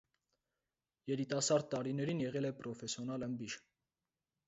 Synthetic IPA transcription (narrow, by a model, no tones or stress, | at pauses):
jɛɾit̪ɑsɑɾd̪̚t̪ːɑɾinɛɾinjɛʁɛlɛpɾɔfɛsjɔnɑləmbiʃ